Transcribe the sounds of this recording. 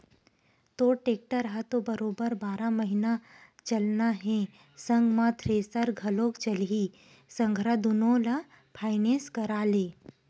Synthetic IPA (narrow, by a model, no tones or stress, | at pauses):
t̪oːʈeːk̚ʈəɾɦɐt̪obɐɾoːbəɾbaːɾamɐɦinat͡ʃɐlnaɦɛ̃ | sɐ̃ŋɡmãt̪ʰɾeːsəɾɡʱɐlõːkt͡ʃɐli | sɐ̃ŋɡʱɾad̪ʊnõlɐ | pʰaːɪnẽːskɐɾaːleː